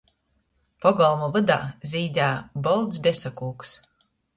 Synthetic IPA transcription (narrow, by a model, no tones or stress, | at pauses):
pɔɡɔlˠmɔvɨd̪a̰ːzʲiːd̪ʲæːbɔlˠd̪sbʲɛsakuːks